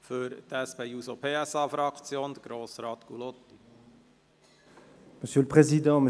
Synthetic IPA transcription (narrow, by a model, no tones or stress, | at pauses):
fʏɾt̪ɛspeusopʰeːɛsɑːfɾɑkt͡sjoːnd̪əɡ̥ɾoːsɾɑːt̪kulot̪ːi̥ | məsjøləpχezid̪ɑ̃m